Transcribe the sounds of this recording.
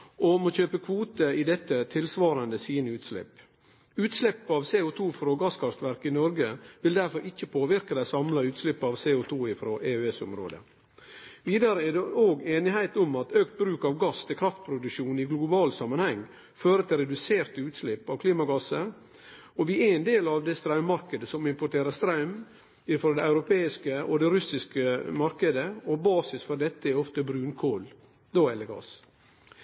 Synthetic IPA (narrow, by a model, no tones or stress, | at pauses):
ʔɔmɔɕøːpəkʰʋuːt̪əɪd̪ɛt̪ːət̪ʰɪlsʋɑːɾɑnd̪əsiːnəʉːt̪slɛ̰pː | ʉːt̪slɛpːɑʋseːʊt̪ʰuːfɾoːɡɑskʰɑɾt̪ʋæɾkɪnɔɾɡəʋɪld̪æɾfɔɾɪçːəpʰoːʋɪɾkəd̪æɪsɑmlɑʉːt̪slɪpːəɑʋseːʊt̪ʰuːɪfɾoːʔeøɛsʊ̰mɾo̰ːd̪ə̰ | ʋiːd̪ɑɾəæd̪ɛoːɡeːnɪhæɪt̪ʊmɑt̪øːk̚t̪̚bɾʉːkɑʋɡɑst̪ʰɪlkɾɑft̪̚pʰɾʊd̪ʉʃuːnɪɡlʊbɑːlsɑmːənhɛŋ | føːɾət̪ʰɪlɾɛd̪ʉseːɾt̪ʉːt̪slɪpːɑʋkʰliːmɑɡɑsə | ɔʋɪɛɾɛnd̪eːlɑʋd̪ɛst̪ɾɑʉmːɑɾkəd̪əsɔmɪmpɔʈʰeːɾəst̪ɾɑʉm | ɪfɾɔd̪ɛɑʉɾʊpʰeːɪskəɔd̪ɛɾʉsɪskəmɑɾkəd̪əɔbɑːsɪsfɔɾɖɛt̪ːəɛɔft̪əbɾʉːnkʰoːl | d̪oɛlːəɡɑ̰s